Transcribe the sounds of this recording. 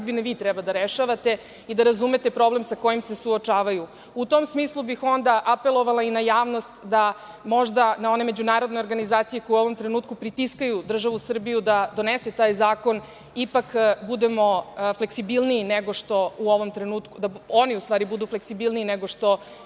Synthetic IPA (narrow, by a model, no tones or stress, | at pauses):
d̪bineʋiːt̪ɾɛbad̪aɾeʃaʋat̪e̞ | id̪aɾazume̞t̪e̞pɾo̞ble̞msako̞jimsesuot͡ʃaːʋaju | ut̪o̞msmiːslˠubixo̞nd̪aʔape̞lˠo̞ʋalˠainajaːʋnost̪d̪a | mo̞ʒd̪anao̞ne̞me̞d͡ʑunaːɾod̪no̞jo̞ɾɡanizaːt̪sijeko̞jueo̞ʋo̞mt̪ɾenuːt̪kupɾit̪iskajud̪r̩ʒaʋusr̩bijud̪ad̪o̞nese̞t̪aːjzaːko̞n | ipakbud̪emo̞fle̞ksibilˠniːneɡo̞ʂt̪o̞uo̞ʋo̞mt̪ɾenuːt̪kud̪ao̞niust̪ʋaːɾibud̪ufle̞ksibilˠniineɡoʂt̪o̞